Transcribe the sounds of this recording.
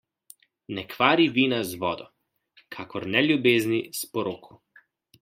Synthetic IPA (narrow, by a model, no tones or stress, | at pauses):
nɛkʋaːɾiʋiːnazʋɔːd̪ɔ | kʰaːkɔɾnɛljubeːznispɔɾoːkʰu̥